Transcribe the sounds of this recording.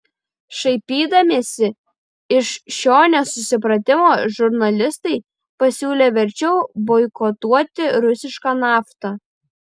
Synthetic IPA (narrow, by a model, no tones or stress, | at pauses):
ʃɐɪpʲiːd̪ɐmʲeːsʲɪ | ɪʃʃʲoːnʲosʊsʲɪpɾɐt̪ʲɪmoːʒʊɾnɐlʲɪst̪ɐɪ | pɐsʲuːlʲeːʋʲɛɾʲt͡ʃʲɛʊbɔɪkɔt̪uɔt̪ʲɪɾʊsʲɪʃkɑːnɑːft̪ɐ